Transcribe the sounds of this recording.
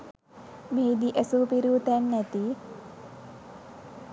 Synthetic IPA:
meːd̪iʔesuːpiɾuːt̪ːnːæt̪i

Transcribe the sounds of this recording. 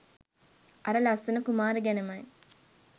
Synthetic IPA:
ɐɾəlɐsənɐkumaːɾəɡænemaj

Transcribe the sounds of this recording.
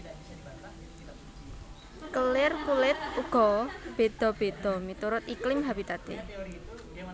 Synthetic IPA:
kəlɪrkulɪt̪̚uɡ̥ɔb̥e̤d̪̥ɔ̤b̥e̤d̪̥ɔ̤mit̪uɾʊt̪iklɪmɦabit̪at̪ḛ

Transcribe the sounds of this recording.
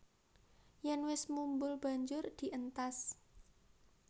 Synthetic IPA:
jɛnwɪsmumbʊlb̥a̤ɲd͡ʒʊrd̪̥i̤ʔənt̪as

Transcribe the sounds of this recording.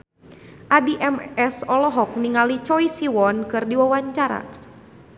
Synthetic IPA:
ʔadiʔɛmɛsɔlɔɦɔk̚niŋalit͡ʃɔisiwɔnkɨrdiwawaɲt͡ʃaɾa̰

